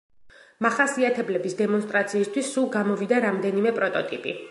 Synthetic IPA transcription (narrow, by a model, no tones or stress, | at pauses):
maχasiat̪ʰɛblɛbisd̪ɛmɔnst̪ʼɾat̪sʰiːst̪ʰwisːulˠɡamɔvid̪aɾamd̪ɛnimɛpʼɾɔt̪ʼɔt̪ʼipʼḭ